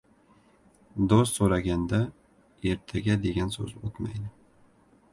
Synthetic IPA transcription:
d̪ost̪soɾaɡʲand̪a | e̞ɾt̪ʰaɡʲad̪e̞ɡʲansɵ̰zot̪ma̰jd̪ɪ

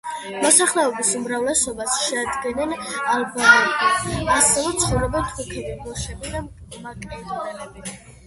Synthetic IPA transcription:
mɔsaχlɛɔbisumɾavlɛsɔbasʃɛad̪ɡɛnɛnalbɔmɛbiasɛvɛt̪sʰχɔvɾɛbɛnt̪ʰʼukʰɛbibɔʃɛbid̪a | makʼɛli

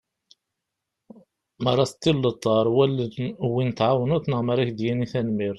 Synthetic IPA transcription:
mɑɾˤːɑst̪ːilːət̪ˤːɑɾˤwælwinət̪ʕawnut̪nəʁməɾˤikd̪jæniθænmiɾ

